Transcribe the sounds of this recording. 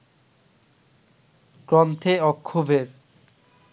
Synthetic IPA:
kɾɔmt̪ʰeɔkʰːubʱeɾ

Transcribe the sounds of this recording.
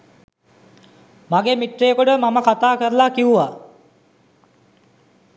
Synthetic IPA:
maɡemiʈrejəkoɖəmaməkat̪aːkəɾlakiuʋa

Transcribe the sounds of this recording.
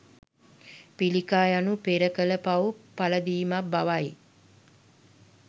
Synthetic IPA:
pilikaːjanupeɾəkələpaʋupaləd̪iːmabaʋaj

